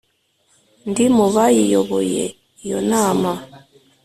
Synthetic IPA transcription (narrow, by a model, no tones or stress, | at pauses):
ndimuβajijoβojḛ | jonaːma